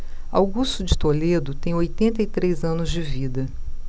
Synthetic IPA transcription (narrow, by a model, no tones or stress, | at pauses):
a̰wɡust̪ʊd͡ʒɪt̪oled̪ʊt̪ẽj̃ojt̪ẽnt̪ɐit̪ɾezɐ̃nʊzd͡ʒɪvid̪ɐ